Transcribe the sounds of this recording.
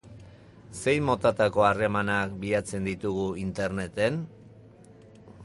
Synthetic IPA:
se̞jmo̞t̪at̪ako̞are̞manak̚biat͡se̞nd̪it̪uɣ̞uint̪e̞ɾne̞t̪e̞n

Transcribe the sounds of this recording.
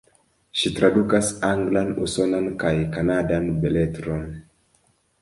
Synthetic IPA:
ʃitɾadukasaŋɡlanusɔnankajkanadanbɛlɛtɾɔn

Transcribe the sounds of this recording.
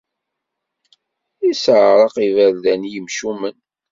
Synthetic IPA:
isʕɾˤɑqivælðænjəmʃumən

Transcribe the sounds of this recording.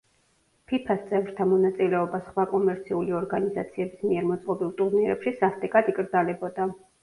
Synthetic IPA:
pʰipʰast̪sʼɛvɾt̪ʰamɔnat̪sʼilɛɔbasχwakʼɔmɛɾt̪sʰiuliɔɾɡaniza̰t̪sʰiɛbismiɛɾmɔt̪sʼqʼɔbilˠt̪ʼuɾniɾɛ̰pʃisast̪ʼɛkʼad̪ikʼɾd̪zalɛbɔd̪a

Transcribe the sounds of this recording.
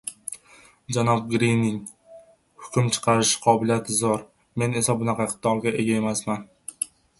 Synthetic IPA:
d͡ʒanɒb̚ɡɾinːɪŋ | hʊ̥kʲʊmt͡ʃʰɨ̥qʰɑɾɪʃɪ̥qʰɒbɪlijat̪ʰɪzɒɾ | me̞ne̞sabʊnaqʰɑqʰɨ̥t̪ʰɒlˠɡʲaʔe̞ɡʲae̞masman

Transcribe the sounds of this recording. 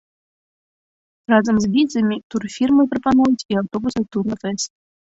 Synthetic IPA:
rɑzəmzbʲizəmʲit̪urfʲirmɨprəpanujətʲiawt̪obusɨt̪urnəfɘsʲ

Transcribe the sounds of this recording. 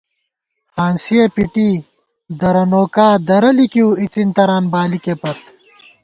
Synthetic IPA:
haːnsiepiʈiː | d̪ɐɾɐnoːkaːd̪ɐɾɐlikiuit͡sint̪ɐɾaːnbaːlikepɐt̪

